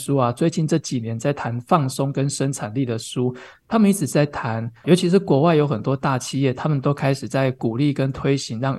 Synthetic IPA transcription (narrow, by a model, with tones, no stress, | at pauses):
ʂu˦a˨t͡swe˥˧ɪt͡ɕi˥˧nʈ͡ʂɤ˥˩t͡ɕi˨˩njɛ˨˦nt͡sa˥˩ɪt̪ʰa˧˦nfɑ˥˩ŋsɔ˦ŋkə˦nʂə˥nʈ͡ʂʰa˨˩nli˥˩d̪ə˩ʂu˦ | t̪ʰa˥mə˨ni˥t͡sʰɻ̩˨˩t͡sa˥˩ɪt̪ʰa˧˦njo˧˥t͡ɕʰi˧˥ʂ̬̩˨˧˦kwɔ˨˩wa˥˩ɪjo˧˥ʊxə˨˩nt̪wɔ˦˥t̪a˥˨t͡ɕʰi˥˧jɛ˥˩t̪ʰa˦mə˨nt̪o˥ʊkʰa˥ɪʂɻ̩˨˩t͡sa˥˩ɪku˨˩li˥˩kə˦˥nt̪ʰwe˥ɪɕi˧˦ŋɻɑ˥˨ŋ